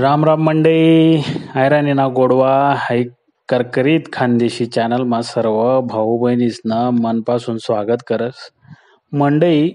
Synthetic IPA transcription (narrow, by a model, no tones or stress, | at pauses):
ɾamɾamːəɳɖəi | ajɾaninaɡoɽʋahaj | kəɾkɾiːt̪kʰand̪eɕiːt͡ɕanəlmasəɾʋəbʱəɦubʱəjnisnəmənpasuːnsʋaɡət̪kəɾət͡s | məɳɖəi